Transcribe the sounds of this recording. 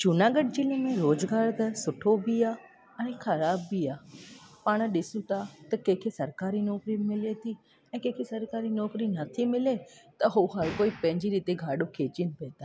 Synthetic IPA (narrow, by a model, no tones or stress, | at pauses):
d͡ʒʊnaːɡəɖ̚d͡ʑɪlemẽɾoːzɡaːɾt̪ɐsʊʈʰobiaː | ɛ̃ɛ̃xɐɾaːbːiaːpaːɽ̃ɗɪsũt̪ʰat̪ɐkẽːkʰesɐɾkaːɾinɔːkɾimɪlet̪ʰi | ɛ̃ːkẽːkʰesɐɾkaːɾinɔːkɾinɐt̪ʰimɪlet̪ɐɦoɦɐɾkoːipɐ̃ɦɪ̃ɲd͡ʑiɾiːt̪eɡʱaːɗokʰeːt͡ɕinpeːt̪aː